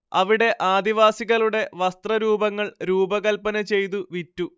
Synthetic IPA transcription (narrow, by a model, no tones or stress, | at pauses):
ɐʋiɽe̞ʔaːd̪iʋaːsiɣɐɭuɽe̞ʋɐst̪rɐɾuːbɐŋːɐɭɾuːbɐɣɐlpɐnɐt͡ɕe̞jt̪̬uʋitːu